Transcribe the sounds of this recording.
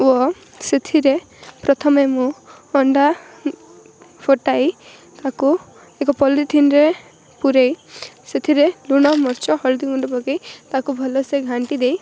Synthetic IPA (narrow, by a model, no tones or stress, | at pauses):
wɔ | set̪ʰiɾe | pɾɔt̪ʰɔmemũ | ɔɳɖa | pʰoʈaj | t̪aku | ekɔpɔliʈ̪ʰinɾe | puɾejset̪ʰiɾeluɽ̃ɔmɔɾt͡ʃɔɦɔɭd̪iuɳʈpɔkejt̪akubʱɔloseɡʱaɳʈid̪ej